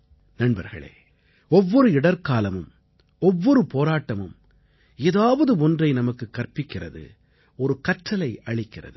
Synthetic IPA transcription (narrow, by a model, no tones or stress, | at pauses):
nɐnbɐɾɣɐ̰ɭḛː | ɔʋːɔɾɯɪɽɐɾkaːlɐmɯ̰m | ɔʋːɔɾɯpoːɾaːʈːɐmɯm | eːðaːʋɐðɯɔndrɐɪnɐmɐkːɯkːɐrpɪkːɪrɐ̰ðɯ̰ | ɔɾɯkɐʈrɐlɐɪʔɐɭɪkːɪrɐ̰ðɯ